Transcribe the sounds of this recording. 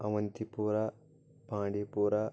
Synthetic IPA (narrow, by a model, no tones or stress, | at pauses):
ɐʋɐnt̪ipuːɾa | pãːɳɖipuːɾa